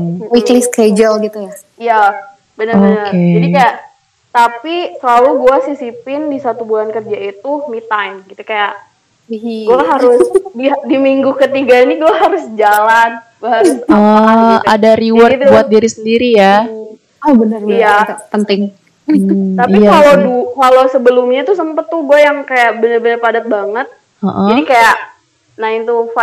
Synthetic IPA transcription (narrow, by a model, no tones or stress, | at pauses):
wiklɪsked͡ʒəlɡit̪uja | ija | bənəobnkəed͡ʒadikaja | t̪apisəlaluɡuasisipɪndisat̪ubulankərd͡ʒait̪umit̪ajmɡit̪ukajaʔ | ɡuaɦaɾʊsdiadimiŋɡukət̪iɡainiɡuaɦaɾʊsd͡ʒalanɡaaɾsəadaɾiwwərt̪buat̪̚diɾisəndiɾija | ɔbənərijapənt̪ɪŋ | t̪aikalodukalosəbəlʊmɲat̪usəmpət̪ːuɡuajaŋkajaʔbənərbənərpadat̪̚baŋət̪̚ | əʔəd͡ʒadikajaʔ | naɪnt̪ufa